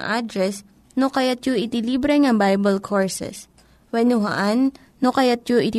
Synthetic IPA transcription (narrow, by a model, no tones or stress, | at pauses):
ʔad̪ɾɛs | nokɐjat̪̚joʔɪt̪ɪliːbɾɛŋɐbajbɐlkʰoɹsɛ̰s | wɛnʊɦɐ̰ʔanː | okɐjat̪̚joʔɪt̪